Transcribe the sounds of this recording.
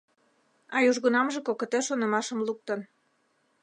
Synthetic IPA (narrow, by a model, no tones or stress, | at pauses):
ɑjuʒɣunɑmʒekokə̆t̪eʃonə̆mɑʃəmluk̚t̪ə̆n